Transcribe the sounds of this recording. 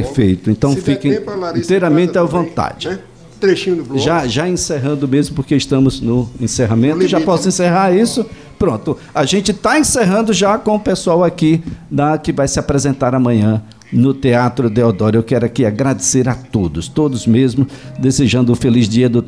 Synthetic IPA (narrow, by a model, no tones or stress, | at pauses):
peɾfejt̪ʊẽnt̪ɐ̃w̃fikɐ̃leĩt̪ejɾɐmẽnt̪ɪɛwvõnt̪a̰d͡ʒɪ | t̪ɾeʃĩʊʒaʒaẽseɦɐ̃nd̪ʊmezmʊpoɾkeɪst̪ɐ̃mʊznʊẽseɦamẽnt̪ʊʒapɔsʊẽseɦaɾisʊ | pɾõnt̪ʊ | aʒẽnt͡ʃɪt̪aẽseɦɐ̃nd̪ʊʒakõʊpesuawakinɐkɪvajsɪapɾezẽnt̪aɾamɐ̃ɲɐ̃ | nʊt̪eat̪ɾʊd̪eod̪ɔɾʊewkɛɾʊakiaɡɾad̪eseɾat̪od̪ʊst̪od̪ʊzmezmʊd̪ezeʒɐ̃nd̪ʊʊfelizd͡ʒiɐd̪ʊ